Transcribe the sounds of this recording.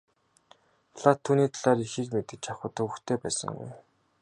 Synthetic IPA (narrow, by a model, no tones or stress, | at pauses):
ɮat̪ʰːuːniːt̪ʰaɮaːɾixiːkmet̪ɘ̆t͡ɕaχʊ̆ːt̪ʰɵwɵ̆xt̪ʰeːpæːsə̰̆ŋɡṵj